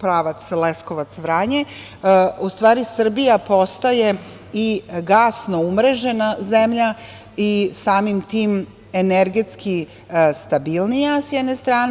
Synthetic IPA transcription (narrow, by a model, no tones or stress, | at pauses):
pɾaːʋat̪slesko̞ʋat̪sʋɾaːɲe | ust̪ʋaːɾisr̩bijapo̞st̪aje̞ | iɡaːsno̞umɾe̞ʒe̞nazemʎa | isaːmimt̪iːm | eneɾɡe̞t̪ski | st̪abilnijasjɛd̪nest̪ɾaːn